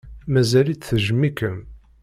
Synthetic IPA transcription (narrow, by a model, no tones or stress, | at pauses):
mæzælit͡sːθəʒmikəm